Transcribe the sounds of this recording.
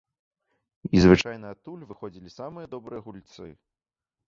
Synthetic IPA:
izvɨt͡ʂajnɐːt̪ːulʲvɨxɔd͡zʲilʲisamɨjɐd̪ɔbɾɨjɐɣulʲt̪sɨ̰

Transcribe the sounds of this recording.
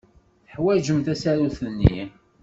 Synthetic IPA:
θəħwæd͡ʒəmθæsæɾuθənːḭ

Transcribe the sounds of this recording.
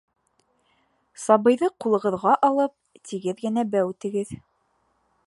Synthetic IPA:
sɑβɤ̆jðɤqulˠɤ̆ʁɤ̆ðʁɑʔɑlˠɤp̚t̪ʰiɡɘðɡɘ̆næbæwt̪ɘ̆ɡɘð

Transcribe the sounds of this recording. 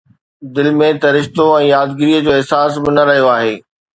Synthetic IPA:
d̪ɪlmẽt̪ɐɾɪʃt̪oɛ̃ːjaːd̪ɡɪɾiəd͡ʑoːɪɦsaːsbɪnɐɾɐɦijoaːɦeː

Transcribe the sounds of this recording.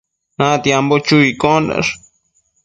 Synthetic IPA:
nãt̪jambot͡ʃuikonda̰ʂ

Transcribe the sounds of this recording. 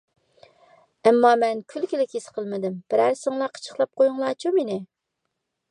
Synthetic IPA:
ɛmːɑmɛnkʲʰylkʲɪlɪkʲisqʰəlˠmɪd̪ɪmb̥ɪɾæɾsɪŋlˠɑqʰə̥t͡ʃʰə̥χlˠɑp̚qʰojuŋlˠɑːt͡ʃʰumenɪ

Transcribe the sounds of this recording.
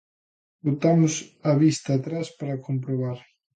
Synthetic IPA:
bot̪amʊsɐβist̪aːt̪ɾaspaɾɐkompɾoβaɾ

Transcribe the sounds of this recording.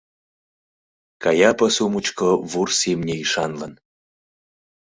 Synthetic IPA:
kɑjɑpəsumut͡ɕkoβursemnʲeiʃɑnlən

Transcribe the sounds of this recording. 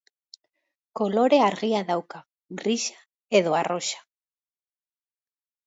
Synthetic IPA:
ko̞lo̞ɾe̞aɾɣiaðawka | ɣɾiʃḁ | e̞ðo̞aro̞ʃḁ

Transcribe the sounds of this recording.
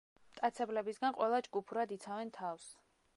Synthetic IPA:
mt̪ʼat̪sʰɛblɛbisɡanqʼwɛlˠad͡ʒɡupʰuɾad̪it̪sʰavɛnt̪ʰafs

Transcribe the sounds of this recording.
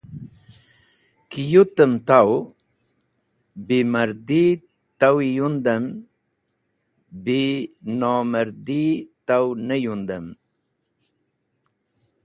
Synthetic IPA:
kijut̪əmt̪aw | biməɾd̪i | t̪awijund̪əm | binoməɾd̪it̪awnəjund̪əm

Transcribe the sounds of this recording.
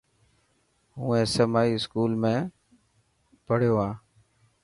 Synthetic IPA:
ɦũːẽːsəmaːiːɪskuːlmẽː | pəɽ̤joːaː

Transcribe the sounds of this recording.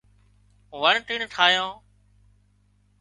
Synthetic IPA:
ʋəɳʈiːɳʈʰaːjõː

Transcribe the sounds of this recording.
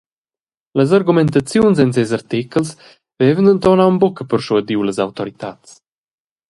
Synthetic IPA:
ləzaɾɡumɛnt̪at͡sjunzɛnz̬ɛzaɾt̪ikəls | vɛvənənt̪ɔnawmbɔkəpəɾʃuəd̪iwləzawt̪ɔɾit̪at͡s

